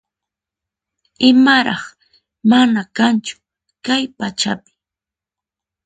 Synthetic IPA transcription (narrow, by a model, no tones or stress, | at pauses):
ɪmaɾɑχ | manakant͡ʃʊ̥ | kajpat͡ʃapɪ̥